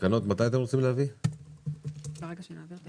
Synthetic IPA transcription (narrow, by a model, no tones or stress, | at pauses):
kano̞t̪mat̪ajat̪emʁot͡simlehavi | beʁeɡaʃenavi